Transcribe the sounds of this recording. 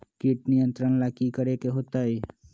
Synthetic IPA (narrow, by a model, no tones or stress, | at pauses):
kiʈ̚nijə̃nt̪ɾənlaːkikəɾekeɦoːt̪aeː